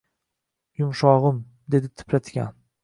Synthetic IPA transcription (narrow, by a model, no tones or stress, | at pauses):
jʊmʃɒʁɨm | d̪e̞d̪ɪt̪ʰɪ̥pʰɾat̪ɡʲa̰n